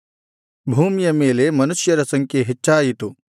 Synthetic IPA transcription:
bʱuːmjɐmeːlemɐnuʃjɐɾɐsɐŋkeɦet͡ʃːaːjit̪u

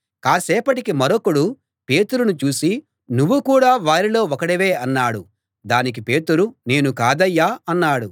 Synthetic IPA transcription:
kaːsɛːpɐʈikimɐɾokːuɽu | pe̞ːt̪uɾunut͡ʃuːsi | nuʋːukuːɽaːʋaːɾilo̞ːɔkɐɽiʋe̞ːɐnːaːɽu | d̪aːnik̬ipe̞ːt̪uɾune̞ːnukaːd̪ɐjːaːɐnːaːɽu

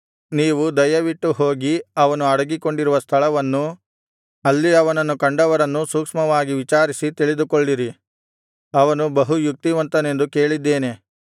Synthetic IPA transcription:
niːʋud̪ɐjɐʋiʈːuɦo̞ːɡiɐʋɐnuɐɽɐɡiko̞ɳɖiɾuʋɐst̪ʰɐɭɐʋɐnːu | ɐlːiɐʋɐnɐnːukɐɳɖɐʋɐɾɐnːusukʂmɐʋaːɡiʋit͡ʃaːɾisit̪iɭid̪ukoɭɖiɾi | ɐʋɐnubɐɦujuk̚t̪iʋɐnt̪ɐne̞nd̪uke̞ːɭid̪ːe̞ːne̞

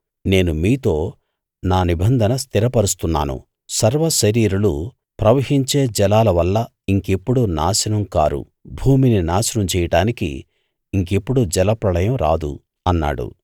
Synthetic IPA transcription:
ne̞ːnumiːt̪o̞ː | naːnibʱɐnd̪ʱɐnɐst̪iɾɐpɐɾust̪unːa̰ːnṵ | sɐɾʋɐʃɐɾiːɾulu | pɾɐʋɐɦiɲt͡ʃe̞ːd͡ʒɛlaːlɐʋɐlːɐ | iŋke̞pːuɽunaːʃɐnɐmka̰ːɾṵ | bʱuːmininaːsɐnɐmt͡ʃɛːjɐʈaːnikḭː | ŋkepːuɽud͡ʒɛlɐpɾɐlɐjɐmɾa̰ːd̪ṵ | ɐnːa̰ːɽṵ

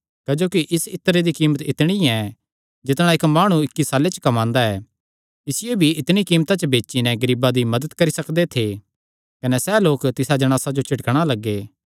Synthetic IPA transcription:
kːd͡ʒoːkiʔɪsɪt̪ːəɾed̪ikiːmət̪ɪt̪ɽ̃iɛ̃ | d͡ʒɪt̪ɽ̃ãɪkmaːɽ̃uɪkːisaːlet͡ʃə̥kɐmãːnd̪aɛ | ɪsɪjobʱiɪt̪ɽ̃ikiːmt̪at͡ʃbeːt͡ʃinɛɡɐɾiːbad̪imɐd̪ət̪kɐɾisɐkd̪et̪ʰe | kɐnɛsɛːloːkt̪ɪsad͡ʒɐɽ̃aːsad͡ʒot͡ʃʰɪʈkɽ̃alɐɡːeː

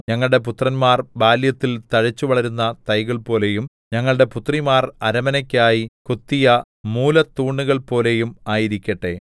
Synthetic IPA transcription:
ɲɐŋːɐɭɽe̞put̪rɐnmaːrbaːljɐt̪ːilt̪ɐɻɐt͡ɕːuʋɐɭɐɾunːɐt̪ɐjɣɐɭpo̞ːle̞jum | ɲɐŋːɐɭɽe̞put̪rimaːrɐɾɐmɐnɐkʲːaːjikot̪ːijɐ | muːlɐt̪uːɳːuɣɐɭpo̞ːle̞jumaːjiɾikʲːɐʈːe̞̰

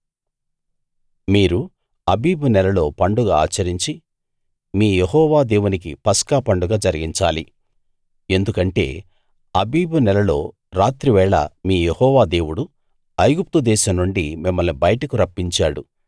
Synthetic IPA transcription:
miːɾu | ɐbiːbunɛlɐlo̞ːpɐɳɖuɡaa̰ːt͡ʃːɐɾiɲt͡ʃi | miːjehɔːʋaːd̪e̞ːwunik̬ḭpɐskaːpɐɳɖuɡaːd͡ʒɐɾiɡiɲt͡ʃa̰ːlḭ | e̞nd̪ukɐɳʈe̞̰ː | ɐbiːbunɛlɐlo̞ː | ɾaːt̪ɾiʋɛːɭɐ̰miːjehɔːʋaːd̪e̞ːwuɽu | ɐjɡup̚t̪ud̪ɛːʃɐmnuɳɖimimːɐlnibɐjɐʈɐkuɾɐpːiɲt͡ʃaːɽṵ

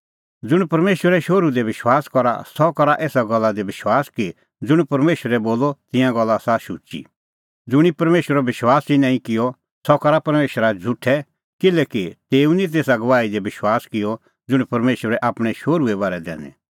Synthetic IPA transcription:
d͡zʊɽ̃pɐɾmeːʃwəɾɛʃoːɾud̪eʋɪʃwaːskɔɾa̰sɔkɔɾaʔeːsaɡɔlːad̪ebɪʃwaːski | d͡zʊɽ̃pɐɾmeːʃəɾɛboːlɔt̪ɪ̃jãɡɔlːasaʃut͡ʃḭ | d͡zʊɽ̃ipɐɾmeːʃəɾɔbɪʃwaːsinãːĩkɪjɔ | sɔkɐɾapɐɾmeːʃəɾad͡zʱʊʈʰːɛ | kɪlɛkit̪eːũnĩt̪̬eːsaɡɐʋaːid̪ebɪʃwaːskɪjɔ | d͡zʊɽ̃ipɐɾmeːʃwəɾɛʔaːpɽ̃ɛʃoːɾuɛβaːɾɛd̪ɛ̰ːnɛ̰

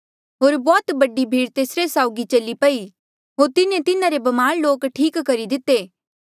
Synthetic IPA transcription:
ɦoːɾbɔːt̪bɐɖibʱiːɽt̪eːsɾesaːʊɡit͡ʃɐlipɐi | ɦoːɾt̪ɪnẽt̪ɪnãɾebɐmaːɾloːkʈʰiːkːɐɾid̪ɪt̪ːeː

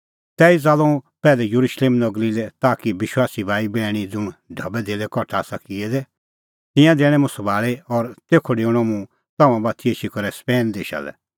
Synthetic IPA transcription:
t̪ɛːid͡zaːlɔ̃ũpɛːlɛjʊɾuʃleːmnɔɡɾilɛt̪aːkiʋɪʃwaːsibʱaːibɛːɽ̃id͡zʊ̃ɖʱɐbɛd̪eːlɛkɔʈʰaːsakiɛd̪ɛ | t̪ɪ̃jãd̪eːɽ̃ɛ̃mũsɔbʱaːɭeɔɾt̪eːkʰoɖeːɽ̃ɔmũ | t̪ɐmãbaːt̪ʰieːʃikɔɾɛspɛːnd̪eːʃa̰lɛ̰

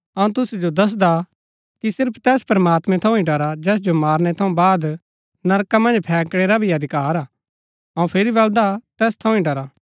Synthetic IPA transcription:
ɐũt̪̬ʊsud͡ʒod̪ɐs̬d̪a | kisɪɾpʰt̪ɛːspɾɐmaːt̪mɛ̃t̪ʰɐ̃ũĩɖɐɾad͡ʒɛːs̬d͡ʒomaːɾnet̪ʰɐ̃ũbaːd̪ | nɐɾkamɐ̃nd͡ʒpʰɛːkɽ̃eɾabʱiɐd̪ʱɪkaːɾaː | ɐũpʰeɾibɐld̪at̪ɛːst̪ʰɐ̃ũĩɖɐɾaː

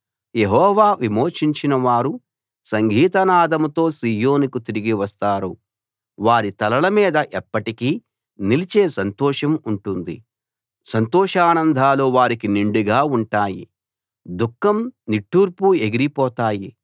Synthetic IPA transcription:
jeɦɔːʋaːʋimo̞ːʂiɲt͡ʃinɐʋaːɾu | sɐŋɡʱiːt̪ɐnaːd̪ɐmut̪o̞ːsiːjo̞ːnikut̪iɾiɡiʋɐst̪aːɾu | ʋaːɾit̪ɐlɐlɐmiːd̪ɐʔɛpːɐʈikiː | nilit͡ʃeːsɐnt̪ɔːʂɐmuɳʈund̪ḭ | sɐnt̪ɔːʂaːnɐnd̪ʱaːloːʋaːɾikiniɳɖuɡaːuɳʈaːjḭ | d̪ukːɐmniʈːuːɾpue̞ɡiɾipɔːt̪aːji

